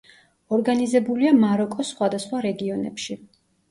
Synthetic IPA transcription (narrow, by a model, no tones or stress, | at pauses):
ɔɾɡanizɛbuliamaɾɔkʼɔsχwad̪asχwaɾɛɡiɔnɛ̰pʃi